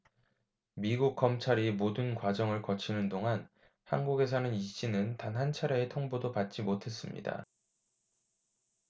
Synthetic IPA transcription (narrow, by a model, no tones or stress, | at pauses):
miɡuk̚k͈ːʌmt͡ɕʰaɾimodɯnkwad͡ʑʌŋɯɭkʌt͡ɕʰinɯndoŋan | ha̰nɡuɡe̞s̬ʰʌnɯniɕ͈inɯntanɦant͡ɕʰaɾjʌetʰoŋbodopat̚t͡ɕ͈imotʰe̞s͈ɯmɲḭda̰